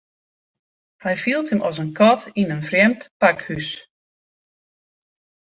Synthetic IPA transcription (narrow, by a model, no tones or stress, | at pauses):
hɛjfilˠtʰəmʔɔsənkʰɔtinənfrjɛmtpakhys